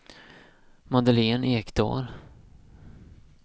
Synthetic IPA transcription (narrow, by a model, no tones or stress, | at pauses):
mɑd̪əleːneːkd̪̥ɑ̰ːɾ